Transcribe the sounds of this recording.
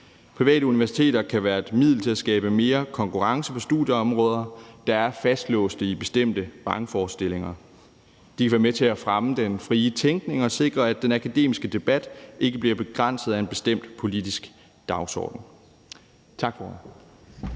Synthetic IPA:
pʰʁiʋɛ̰ːɾəuniʋæɐsi̥t͡sʰe̝̰ːɾɐkʰæʋæːɐe̝d̥mið̞̰ˠl̩t͡sʰe̝æsɡ̥ɛːb̥əme̝ːɐkʰɒ̽ŋkʰuʁɑ̈ŋsəpʰɒ̽sd̥uð̥ˠjəɒ̽mʁɔ̽ːð̞ˠɐd̥ɑ̈æɐfæsd̥lɔ̰̽ːsd̥əib̥e̝sd̥em̰d̥əb̥ɑ̈ŋfɒːsd̥e̝le̝ŋɐ | d̥ikʰæʋæɐmet͡sʰe̝æfʁaməd̥enfʁiːət͡sʰeŋɡ̥ne̝ŋɒ̽se̝ɡ̥ʁɐæd̥enækʰæd̥e̝̰ːmisɡ̥əd̥e̝b̥æd̥ʔe̝ɡ̥əb̥liɐb̥e̝ɡ̥ʁan̰sð̩ˠæe̝nb̥e̝sd̥em̰d̥pʰo̝lid̥isɡ̥ | d̥ɑ̈ʊsɒ̰ːd̥n̩ | t͡sʰɑ̈ɡ̥fɒ

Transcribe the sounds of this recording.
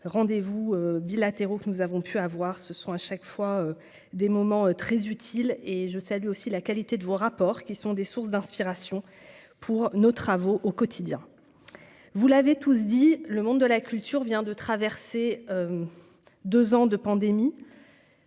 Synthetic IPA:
ʁɑ̃d̪evuøbilat̪eʁokənuzavɔ̃pʰyavwaʁsəsɔ̃aʃakfwaø | d̪emɔmɑ̃øt̪χɛzyt̪ʰileʒəsalyosilakalit̪ed̪əvoʁapɔːʁkʲisɔ̃d̪esuʁsd̪ɛ̃spiʁasjɔ̃ | pʰuʁnot̪χavoʔokɔt̪ʰid̪jɛ̃ | vulavet̪us̬d̪iləmɔ̃d̪d̪əlakʲylt̪yʁvjɛ̃d̪ət̪χavɛʁseøm | d̪øzɑ̃d̪əpɑ̃d̪emi

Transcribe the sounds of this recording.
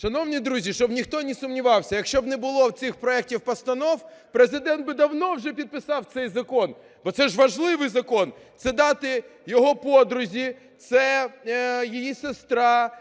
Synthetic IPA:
ʃɐnɔwnʲid̪ɾuzʲiʃt͡ʃɔbnʲixt̪ɔnʲisʊmnʲiʋɑwsʲɐjɐkʃt͡ʃɔbnɛbʊlˠɔwtsʲɪxpɾɔɛk̚tʲiwpɐst̪ɐnɔwpɾezɪd̪ɛnd̪̚bɪd̪ɐwnɔwʒɛpʲid̪̚pɪsɑwt̪sɛjzɐkɔn | bɔt̪sɛʒʋɐʒlˠɪʋɪjzɐkɔnt̪sɛd̪ɑt̪ɪjɔɦɔpɔd̪ɾʊzʲi | t̪sɛ | jijisest̪ɾɑ

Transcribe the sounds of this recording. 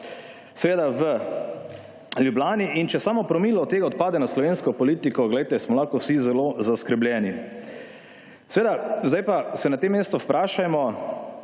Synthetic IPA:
sɛʋeːd̪aʋə | ljublaːniʔint͡ʃɛsaːmɔpɾɔmiːlɔɔt̪ːeːɡaɔt̪̚paːd̪ɛnaslɔʋenskɔpɔliːt̪ikɔɡlɛjt̪ɛsmɔlaxkɔwsizɛlozaskɾblʲjɛni | sɛʋeːd̪azd̪ajpasɛnat̪emːeːst̪ɔwpɾaːʃajmɔ

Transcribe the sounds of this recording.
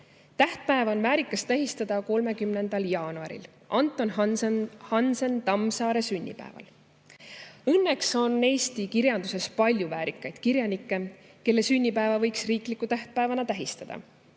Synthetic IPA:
t̪æht̪̚pæevɑonvæːɾikːˑɑst̪æɦist̪ɑd̪̥ɑko̞lme̞kymne̞nd̪̥ɑljɑːnuɑɾḭl | ʔɑnt̪ːˑo̞n | hɑnsent̪ɑmsɑːɾe̞synʲːḭpæ̰evɑ̰l | ɤnːekso̞nːe̞ːst̪ikiɾjɑnd̪̥use̞spɑlʲjuvæːɾikːˑɑjd̪̥kiɾjɑnikˑːe̞ | ke̞lːe̞synʲːipæevɑvɤjksriːklikːˑut̪æht̪̚pæevɑnɑt̪æɦist̪ɑd̪̥ɑ̰

